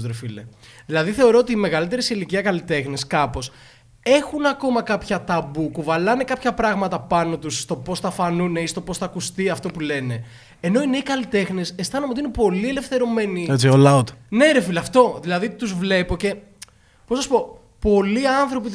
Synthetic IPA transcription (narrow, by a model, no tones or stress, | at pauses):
ɾefilḛðilɐðiθe̞o̞ɾo̞ot̪iːme̞ɣɐlit̪̬eɾisiliciɐkɐlit̪e̞xneskɐpo̞s | e̞xunɐko̞mɐkɐpçɐt̪ɐbukuvɐlɐnekɐpçɐpɾɐɣmɐt̪ɐpɐno̞t̪usːt̪o̞po̞sθɐfɐnune̞ist̪o̞po̞sθɐːkust̪iɐft̪o̞pule̞ne̞ | eno̞ineikɐlit̪e̞xnesest̪ɐnumeot̪iinepo̞liele̞fθe̞ɾo̞me̞niet͡siolaut̪ne̞ɾefileɐft̪o̞ðilɐðit̪uzvle̞po̞ce̞ | posnɐsupo̞ | po̞liɐnθɾo̞pit̪